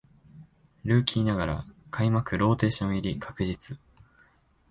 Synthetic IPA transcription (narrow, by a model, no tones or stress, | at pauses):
ɾɯ̟ːkʲiːnaɡaɾa̰kʰaimakɯ̟ɾo̞ːt̪e̞ːɕõɰ̃iɾʲikʰḁkɯ̟ʑit͡sɨ